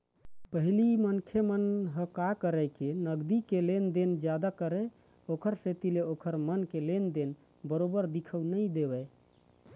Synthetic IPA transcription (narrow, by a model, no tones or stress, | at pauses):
pəɦilimənkʰemənɦəkakəɾəjkenəɡd̪ikelend̪end͡ʒjad̪akəɾɛ | okʰəɾset̪ileokʰəɾmənkelend̪en | bəɾobəɾd̪ikʰəwnəjd̪ebɛ